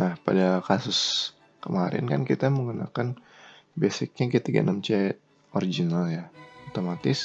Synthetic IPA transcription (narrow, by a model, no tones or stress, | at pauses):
nahpadakasʊs | kəmaɾɪ̰nkankit̪aməŋuna̰kan | besɪk̚ɲakit̪iɡa̰namt͡ʃɛt̪̚ | oɾid͡ʒinaljaot̪omat̪ɪs